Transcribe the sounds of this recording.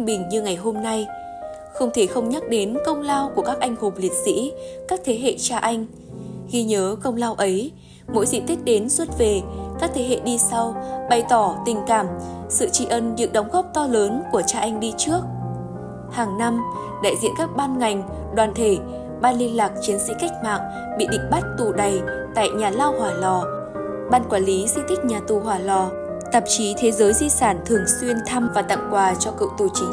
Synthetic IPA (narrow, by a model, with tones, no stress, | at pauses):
ŋɓï˨˩ŋ̟ɲɨ˧ŋa˨˩jɦo˧mna˧j | xə˧wŋ͡mt̪ʰe˧˩xə˧wŋ͡mɲə˦˥t̚ɗe˨˦nkə˧wŋ͡mlaː˧wku˧˩əkaː˦˥k̚ʔa˧jŋ̟ho˨˩mli˨˩ət̚sḭ˧˥kaː˦˥k̚t̪ʰe˨˦ɦḛ˧˨t͡ɕaː˧ʔa˧jŋ̟ | xi˧ɲəː˨˦kə˧wŋ͡mlaː˧wʔə˨˦j | mo̰˧˥jzḭ˧˨t̪i˦˥k̟̚ɗe˨˦nswə˦˥t̚ve˨˩kaː˦˥k̚t̪ʰe˨˦ɦḛ˧˨ɗi˧sa˧wɓa˨˩jt̪ɔ˧˩t̪ï˨˩ŋ̟kaː˧˩m | sɨ̰˧˨t͡ɕḭ˧ʔə˧nzɨ̰˧˥ɗə˨˦wŋ͡mɣɔ˦˥p̚t̪ɔ˧ləː˨˦nku˧˩ət͡ɕaː˧ʔa˧jŋ̟ɗi˧t͡ɕɨ˦˥ək̚ | haː˨˩ŋna˧m | ɗa̰ː˧˨jzḭ˧˨ənkaː˦˥k̚ɓaː˧nŋa˨˩jŋ̟ | ɗwaː˨˩nt̪ʰe˧˩ | ɓaː˧nli˧ənlaː˨˩k̚t͡ɕi˨˦ənsḭ˧˥ka˦˥jk̟̚maː˨˩ŋ̚ | ɓḭ˧˨ɗḭ̈˧˨ŋ̟ɓa˦˥t̚t̪u˨˩ɗa˨˩jt̪a̰ː˧˨jɲaː˨˩laː˧whwaː˨˩lɔ˨˩ | ɓaː˧nkwaː˧˩nli˨˦zɨ̰˧˨t̪ʰï˦˥k̟̚ɲaː˨˩t̪u˨˩ɦwaː˨˩lɔ˨˩ | t̪ə˨˩p̚t͡ɕi˨˦t̪ʰe˨˦zəː˨˦jzi˧saː˧˩nt̪ʰɨ˨˩əŋswi˧ənt̪ʰa˧mvaː˨˩t̪a̰˧˨ŋkwaː˨˩t͡ɕɔ˧kɨ̰˧˨wt̪u˨˩t͡ɕi˨˦